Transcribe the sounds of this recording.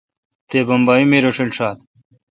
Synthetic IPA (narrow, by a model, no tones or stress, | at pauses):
t̪eːbɐmbaːjimeːɾoʂelʂaːt̪